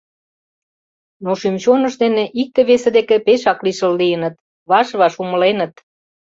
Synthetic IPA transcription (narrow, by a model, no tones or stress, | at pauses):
noʃymt͡ɕonə̆ʃd̪eneʔik̚t̪ĕβesĕd̪ekepeʃɑkliʃəlːijənə̆t̪ | βɑʃβɑʃumə̆lenə̆t̪